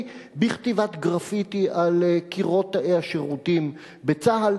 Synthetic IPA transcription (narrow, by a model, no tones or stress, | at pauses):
biχt̪ivat̪ɡʁafitiʔalkiʁo̞thaʔeaʃeʁutim | bet͡saɦal